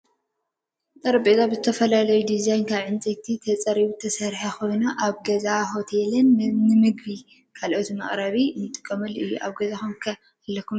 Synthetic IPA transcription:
t̪ʼɐɾɐbʼet̪ʼabɨzɨt̪ʰɐfɐlalɐjud̪izajnkʰaβʕɨnt͡sʼɐt̪ʰit̪ʰɐt͡sʼɐɾiβut̪ʰɐsɐɾħaxo̞jnuʔaβɡɐzaɦo̞t̪ʰelɨnːɨmɨɡbi | kʰalʔo̞t̪mɐ̰χʼɾɐβiɨnɨt̪ʼɨkʼːɐmɨlɨjːṵʔa̰βɡɐzaxumkʰɐ | alːɐkʰːum

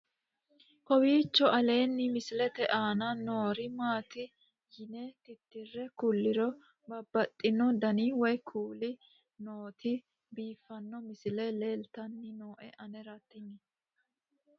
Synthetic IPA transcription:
kɔwiːt͡ʃːɔʔɐle̞ːnːɪmɪsɪlɛt̪ɛʔaːnɐnoːɾɪmaːt̪ɪ | jɪnɛt̪ɪt̪ːɪrːɛkʊlːɪɾɔ | bɐbːɐt̪ʼːɪnɔd̪ɐniːwɔjkʰuːlɪ | noːt̪ʰɪ | biːfːɐnːɔmɪsɪlɛle̞ːlt̪ɐnːɪnoːʔɛʔɐnɛɾɐt̪ːɪnːɪ

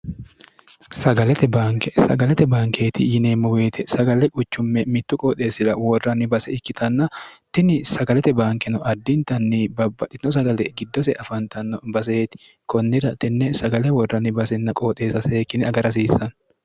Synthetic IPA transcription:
sɐɡɐlɛt̪ɛbaːŋkɛsɐ̰ɡɐlɛt̪ɛbaːŋke̞ːt̪ɪjɪne̞ːmːɔweːt̪ʰɛsɐɡɐlɛkʼʊt͡ʃːʊmːɛmɪt̪ːʊkʼoːt̪ʼe̞ːsɪlɐwɔrːɐnɪbɐsɛɪkːɪt̪ʰɐnːɐt̪ɪnɪsɐɡɐlɛt̪ɛbaːŋkɛnɔʔɐd̪ːɪnt̪ɐnːiːbɐbːɐt̪ʼːɪɔs̬ɐɡɐlɛɡɪd̪ːɔsɛʔɐfɐnt̪ɐnːɔbɐs̬eːt̪ɪ̥ | kɔnːɪd̪ɐt̪ɪnːɛsɐɡɐlɛwɔrːɐnɪbɐsɛnːɐkʼoːt̪ʼe̞ːsɐseːkːɪnɪɐɡɐɾɐs̬iːsːɐn

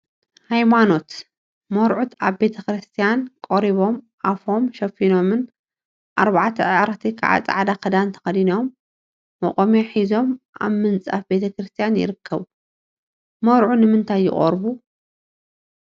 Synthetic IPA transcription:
hajmano̞t̪ | mɐɾʕut̪ʰaβbe̞t̪ʰɐkɾɨst̪ʰijankʼoɾiβo̞m | ʔafo̞mʃɐfino̞mɨn | ʔaɾβaʕt̪ʰɐʕaɾt̪ʰikʰa̰ʕa̰t͡sʼa̰ʕad̪akʰɐd̪ant̪ʰɐ̥xɐd̪inomː | ɐ̰kʼomeħizo̞mʔa̰βmɨnt͡sʼa̰fbe̞t̪ʰɐkɾɨst̪ʰijanjɪ̰ɾɨkʰːɐβ | mɐwɾʕunɨmɨnt̪ʰajːɪ̰χʼɐ̰ɾbu

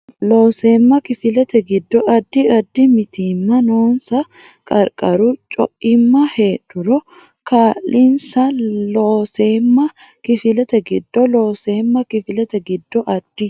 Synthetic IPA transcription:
loːseːmːɐkɪfɪlɐt̪ɐɡɪd̪ːɔɐd̪ːɪɐd̪ːɪmɪt̪iːmːɐnoːnsɐ | kʼɐɾkʼɐɾut͡ʃʼɔ̰ʔɪmːɐheːᶑʊɾɔ | kaːlɪnsɐloːseːmːɐ | kɪfɪlɐt̪ɐɡɪd̪ːɔloːseːmːɐkɪfɪlɐt̪ɐɡɪd̪ːɔʔɐd̪̥ːɪ

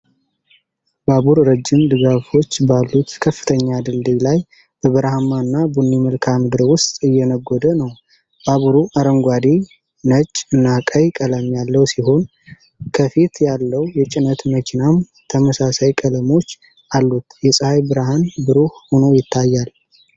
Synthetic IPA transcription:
baβuɾɾɨd͡ʒːɪmd̪ɨɡafo̞t͡ʃːbalːut̪kʰəfːɨ̥t̪ʰəɲːad̪ɨld̪ilaj | b̥əβɨɾahamaɨnːabunːiməlkʰamd̪ɨɾwʊst̪ʼɨjːɛnəɡːod̪ənəw | baβuɾuʔaɾəŋɡʷad̪e | nət͡ʃʼːɨnːakʼəjkʼələmjalːəwsiɦo̞n | kʰəfet̪jalːəwjɛt͡ʃʼɪnət̪məkʰinam | t̪ʰəməsasajkʼələmo̞t͡ʃː | ʔalːut̪jɛsʼɨhajbɨɾaɦanbɨɾuhho̞nojɪt̪ʰːajːal

